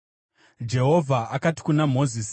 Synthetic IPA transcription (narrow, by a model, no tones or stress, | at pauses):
d͡ʒe̞ɦo̞vʱaʔakati̥kunamo̞zis